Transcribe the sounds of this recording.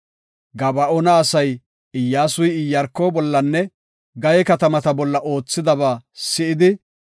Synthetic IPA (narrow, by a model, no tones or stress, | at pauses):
ɡɐbɐʔonɐːsɐj | ɪjːaːsʊjɪjːɐɾkːobɔlːɐnːɛ | ɡɐjɛkɐt̪ɐmɐt̪ɐbɔlːɐʔo̞ːt͡sːɪd̪ɐβaːsɪʔɪd̪ɪ